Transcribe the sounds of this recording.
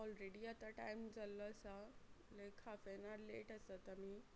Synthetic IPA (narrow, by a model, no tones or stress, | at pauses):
ɔlɾeɽiat̪aʈa̰jmd͡zalːɔəsalekʰafenaɾleʈəsat̪ami